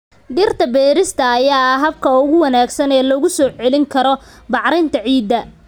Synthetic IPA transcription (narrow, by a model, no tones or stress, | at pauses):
ɖɪrt̪ʰɐbɛːɾɪst̪ʰɐːjaːɐɦɐb̚kʰɐʊɣʊwɐnaːɡsɐnɛːlɔɣʊsɔːʕɛlɪŋkʰɐɾɔ | bɑʕɾɪnt̪ʰɐʕiːd̪ːɐ